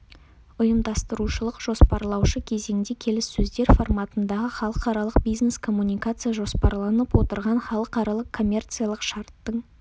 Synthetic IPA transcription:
ʊjəmd̪ɑst̪əɾuʃəlˠəqʒ̥o̞spɑɾlˠɑwʃəkʲʰe̞ze̞ŋd̪ekʲʰe̞lɪsːɵzd̪e̞ɾfo̞rmɑt̪ənd̪ɑʁəχɑlˠəqɑɾɑlˠəq̚bijzne̞skʰo̞mːunijkat̪sɨjaʒo̞spɑɾlˠɑnəpwo̞t̪əɾʁɑnχɑlˠəqɑɾɑlˠəqkʰːo̞mʲːe̞rt̪sɨjalˠəqʃɑɾt̪ːəɴ

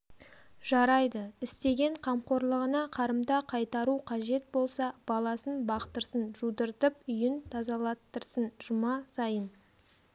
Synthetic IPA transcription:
ʒɑɾɑjd̪əɪst̪e̞ɡʲe̞ɴqʰɑmqo̞ɾlˠəʁənɑqʰɑɾəmd̪ɑqʰɑjt̪ɑɾuqʰɑʒe̞t̪̚bo̞lˠsɑb̥ɑlˠɑsənbɑqt̪əɾsənʒud̪əɾt̪əp̚ʏjɪnt̪ʰɑzɑlˠɑt̪ːəɾsənʒ̥ʊmɑsɑjən

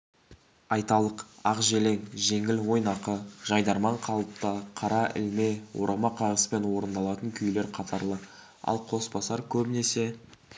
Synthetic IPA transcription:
ɑjt̪ɑlˠəqɑqʒele̞ŋʒe̞ŋɪlwo̞jnɑqəʒ̥ɑjd̪ɑɾmɑɴqʰɑlˠəp̚t̪ɑqʰɑɾɑʔɪ̰lme̞wo̞̰ɾʔɑmɑqʰɑʁəspe̞nwo̞ɾənd̪ɑlˠɑt̪əŋkʲʰʏjle̞ɾqʰɑt̪ɑɾlˠə | ɑ̰lˠqʰo̞sbɑsɑɾkʲʰɵbɪne̞se̞

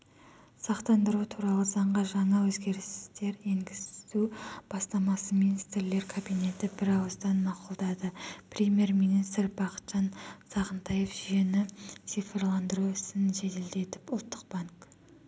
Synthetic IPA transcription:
sɑqt̪ɑnd̪əɾut̪ʰuɾɑlˠəzɑɴʁəʒɑɴɑwɵzɡʲe̞ɾɪst̪e̞ɾe̞ŋɡʲɪst̪ub̥ɑst̪ɑmɑsəminist̪rle̞ɾkʰobijne̞t̪ɪbɪɾɑwəzd̪ɑnmɑqʊlˠd̪ɑd̪əprʲemje̞rmijnist̪rbɑqə̥t̪ʒ̥ɑnsɑʁənt̪ʰɑje̞fʒʏje̞nɪsijfʲerlˠɑnd̪əɾuɪsɪnʒe̞t̪e̞ld̪e̞t̪ɪpʊlˠt̪ʰːəq̚b̥ɑŋk

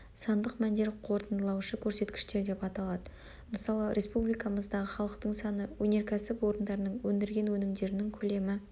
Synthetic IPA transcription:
sɑnd̪əqmænd̪e̞ɾqʰo̞ɾt̪ənd̪əlˠɑwʃəkʲʰɵɾse̞t̪kʲɪ̥ʃt̪e̞ɾd̪e̞pɑt̪ɑlˠɑd̪ə | məsɑlˠəɾʔe̞spublijkɑməzd̪ɑʁəχɑlˠəqt̪əɴsɑnəwɵne̞ɾkʲʰæsɪpwo̞ɾənd̪ɑɾənəɴwɵnd̪ɪɾɡʲe̞nwɵnɪmd̪e̞ɾɪnɪŋkʲʰɵle̞mɪ

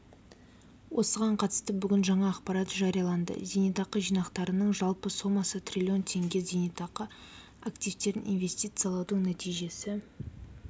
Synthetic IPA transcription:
wʔo̞səʁɑɴqʰɑt̪ə̥st̪əbʏɡʲɪnʒɑɴɑːqpɑɾɑt̪ʒɑɾijɑlˠɑnd̪ə̰zʲenijt̪ɑqəʒijnɑqt̪ɑɾənəɴʒɑlˠpəsomɑsət̪rʲilʲio̞nt̪ʰe̞ŋɡʲe̞zenit̪ɑqə | akt̪ijft̪e̞ɾɪnʔḭnve̞st̪ijt̪sɨjɑlˠɑwd̪əɴnæt̪ʰijʒe̞sɪ

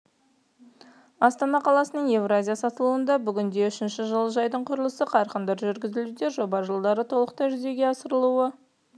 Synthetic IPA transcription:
ɑst̪ɑnɑqʰɑlˠɑsənəɴje̞vrazʲijasɑt̪əlˠuənd̪ɑbʏɡʲɪnd̪e̞ʏʃɪnʃɪʒəlˠəʒɑjd̪əɴqʰʊɾəlˠəsəqʰɑɾqənd̪ɑɾʒʏɾɡʲɪzɪlud̪e̞ʒo̞bɑʒəlˠd̪ɑɾət̪ʰo̞lˠəqt̪ɑʒʏze̞ɡʲe̞ɑsəɾəlˠuə

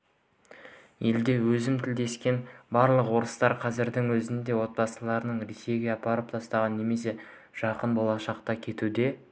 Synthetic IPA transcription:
je̞ld̪e̞wɵzɪmt̪ʰɪld̪e̞skʲe̞nbɑɾlˠəqwo̞ɾəst̪ɑɾqʰɑzɪɾd̪ɪŋwɵzɪnd̪e̞wo̞t̪̚pɑsəlˠɑɾənəɴɾise̞ɡʲeɑpɑɾəp̚t̪ʰɑst̪ɑʁɑnːe̞me̞s̬e̞ | ʒ̥ɑqənbo̞lˠɑʃɑqt̪ɑkʲʰe̞t̪ud̪e̞

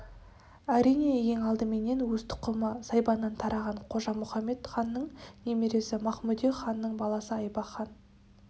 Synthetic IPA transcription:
æɾijne̞je̞ŋɑlˠd̪əme̞ne̞nwɵz̥t̪ʰʊ̥qəməsɑjbɑnːɑnt̪ʰɑɾɑʁɑɴqʰo̞ʒɑmʊχɑmːe̞t̪χɑnːəɴne̞meɾe̞sɪmɑχmud̪ijχɑnːəɴbɑlˠɑsəɑjbɑχɑn

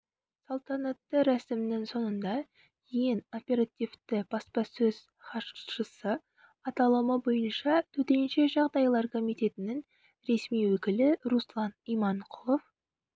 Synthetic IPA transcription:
sɑlˠt̪ɑnɑt̪ːəɾæsɪmnɪŋso̞nənd̪ɑ | jeno̞pʲe̞ɾat̪ijft̪ɪb̥ɑspɑsɵz̥ | χɑʃəsə | ɑt̪ɑlˠəməbo̞jənʃɑt̪ʰɵt̪e̞nʃe̞ʒɑʁd̪ɑjlˠɑɾkʰo̞mijt̪e̞t̪ɪnɪŋ | ɾe̞smijwɵkʲɪlɪɾuslˠɑnijmɑɴqʰʊlˠof

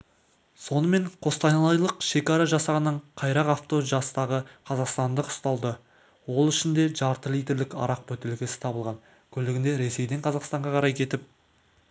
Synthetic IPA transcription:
so̞nəme̞ɴqʰo̞st̪ɑjnɑlˠɑjlˠəqʃe̞kʲɑɾɑʒɑsɑʁənːəɴqʰɑjɾɑqɑft̪o̞ʒɑst̪ɑʁəqʰɑzɑqst̪ɑnd̪əqʊ̥st̪ɑlˠd̪ə | wo̞lˠʏʃɪnd̪e̞ʒɑɾt̪əlˠijd̪ʲe̞ɾlɪkɑ̰ɾɑq̚bɵt̪elɡʲɪsɪ̥t̪ʰɑbəlˠʁɑn | kʲʰɵlɪɡʲɪnd̪e̞ɾe̞se̞jd̪e̞ɴqʰɑzɑqst̪ɑɴʁɑqʰɑɾɑjkʲʰe̞t̪ɪp̚

